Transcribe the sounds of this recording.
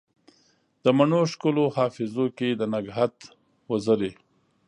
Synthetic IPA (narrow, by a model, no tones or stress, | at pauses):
d̪̥əmaɳoʃkulohɑfɪzoked̪ənaɡɦat̪ | wəzaɾe